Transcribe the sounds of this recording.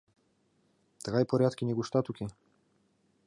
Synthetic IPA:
t̪ɣajpɔɾʲjat̪kʲiɲɛɡuʃt̪at̪ukʲi

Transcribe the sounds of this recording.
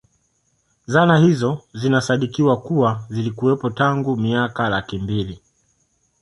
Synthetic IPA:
zanahizɔzinasaɗikiwakuwazilikuwɛpɔtaŋɡumiakalakimbili

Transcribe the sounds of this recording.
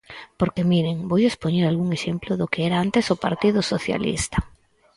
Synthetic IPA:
poɾkemiɾeŋbojespoɲeɾalɣuŋeʃemplʊðʊkeeɾaant̪esʊpaɾt̪ið̞ʊsoθja̰lḭst̪ḁ

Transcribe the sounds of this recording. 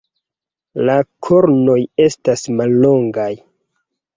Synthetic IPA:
lakʰo̞ɾno̞je̞stasmalːo̞ŋɡaj

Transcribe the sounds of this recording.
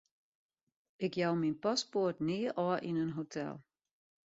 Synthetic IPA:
ʔɪkjawminpaspotniːʔɔʔinənɦotʰɛ̰lˠ

